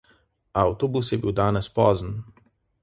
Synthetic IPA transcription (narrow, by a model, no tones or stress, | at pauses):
awt̪ɔbusjɛbiwd̪aːnɛspɔːzən